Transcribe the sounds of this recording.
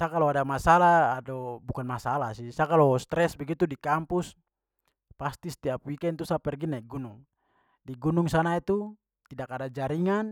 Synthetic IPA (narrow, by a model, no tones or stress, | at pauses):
sakalɔadamasalaːdɔbukanmasalasisakalɔst̪ɾɛsbɛɡit̪udikampus | past̪ist̪iapwikɛnt̪usapɛrɡinaiɡunuŋ | diɡunuŋsanait̪u | t̪idakːadad͡ʒaɾiŋan